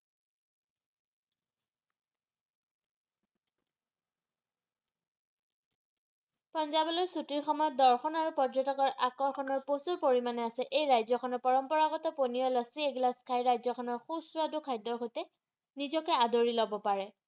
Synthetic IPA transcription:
pɔnzabɔlɔjsutiɹxɔmɔdɔɹxɔnaɹupɔdzɔtɔkɔɹʔakɔɹxʰɔnɔɹposuɹpoɹimanɛasɛʔejɹajzɔkʰɔnɔpɔɹɔmpɔɹaɣɔtɔponiɔlɔsieɡlaskʰajɹajzɔkʰɔnɔɹxusuadukʰajdɔɹxojtɛ | nizɔkɛadoɹilɔbɔpaɹɛ

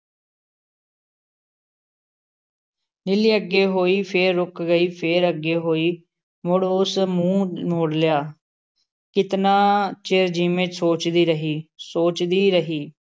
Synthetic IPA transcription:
nɪliːəɡːeːɦoːiːpʰeːɾːʊkɡəiːpʰeːɾəɡeːɦoːiː | mʊɽʊsmũːmoːɽljaː | kɪt̪naːt͡ʃeːɾd͡ʒiːmẽːt͡ʃsoːt͡ʃd̪iːɾəɦiːsoːt͡ʃd̪iːɾəɦiː

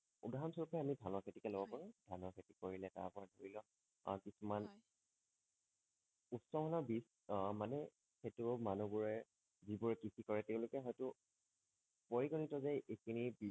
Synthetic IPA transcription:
udaɦamsɔkʰɔjamidʱanɔkʰetikɛlobɔpaɹʊ̃dʱanɔkʰetikoɹilɛta̰ɹpɔɹɛdʱoɹilɔ̰ | kisuman | utsɔmɔnɔbis | manɛ | xetʊmanubuɹɛ | zibuɹɛkisikɔɹɛtɛʊ̃lʊkɛɦɔjtʊ | poɹiɡɔnitɔzɛʔekʰinibi

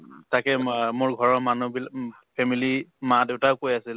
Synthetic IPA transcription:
takɛmʊɹɡʱɔɹɔmanubil | pʰɛmilimadeʊtaʊkojasil

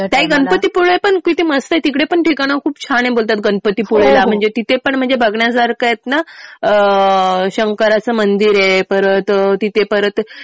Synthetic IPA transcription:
t̪jaɦiːɡənpət̪iːpuɭəepəɳkit̪ʰiːməst̪əet̪ikɽepəɳʈʰikaɽ̃əkʰuːpt͡ɕʰaɽ̃ẽbolt̪at̪̚ɡənpət̪iːpuɭalam̤əɳd͡zet̪it̪epəɳm̤əɳd͡zebʱəɡɳjas̬aɾkajet̪naə | ɕəŋkəɾat͡səmənd̪iɾepəɾət̪t̪it̪epəɾət̪

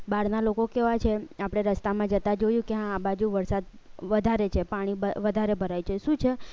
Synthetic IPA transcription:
baɽnalokokɛʋat͡ʃʰeapɽ̃eɾəst̪amãd͡ʒət̪ad͡ʒojũkeɦãːbad͡ʒuʋəɾsad̪ | ʋəd̪ʱaɾet͡ʃʰepaɽ̃ibəʋəd̪ʱaɾebʱəɾajt͡ʃʰeʃũt͡ʃʰe

